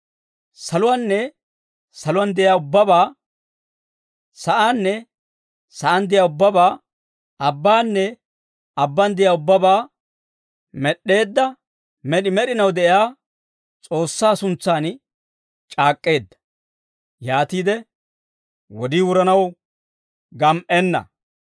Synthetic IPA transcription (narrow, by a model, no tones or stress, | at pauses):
sɐlʊwanːɛ | sɐlʊwɐnd̪ɛʔɪjaːʊbːɐbaː | sɐʔaːnːɛ | sɐʔand̪ɪjaːʊbːɐbaː | ɐbːaːnːɛ | ɐbːɐnd̪ɪjaːʊbːɐbaː | mɛɗːe̞ːd̪ːɐ | mɛɗɪmɛɗɪnɐwd̪ɛʔɪjaː | t͡sʼo̞ːsːaːsʊnt͡sːaːn | t͡ʃʼaːkʼːe̞ːd̪ːɐ̥ | jaːt̪iːd̪ɛ | wɔd̪iːwʊɾɐnɐw | ɡɐmʔɛnːɐ̰